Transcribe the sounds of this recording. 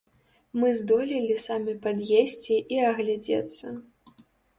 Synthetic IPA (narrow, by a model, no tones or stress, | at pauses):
mɨzd̪ɔlʲilʲisamʲipad̪jesʲt͡sʲiʔiɐɣlʲad͡zʲɛ̰t̪sːɐ